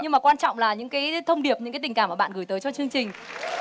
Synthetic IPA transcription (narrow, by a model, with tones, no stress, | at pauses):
ɲɨ˧ŋmaː˨˩kwaː˧nt͡ɕɔ̰˧˨wŋ͡mlaː˨˩ɲɨ̰˧˥ŋkaː˨˦jt̪ʰə˧wŋ͡mɗi˨˩əp̚ɲɨ̰˧˥ŋaː˨˦t̪i˨˩ŋ̟kaː˧˩mːʔaː˧˩ɓa̰ː˧˨nɣɨ˧˩jt̪əː˨˦jt͡ɕɔ˧t͡ɕɨ˧əŋt͡ɕï˨˩ŋ̟